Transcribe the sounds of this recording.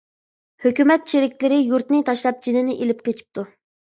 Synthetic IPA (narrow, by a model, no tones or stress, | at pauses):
høkʲymɛt̪ʃeɾɪkʲlɪɾɪjuɾt̪nɪt̪ʰɑʃlˠɑp̚d͡ʒinɪnɪʔelɪp̚qʲet͡ʃʰi̥p̚t̪u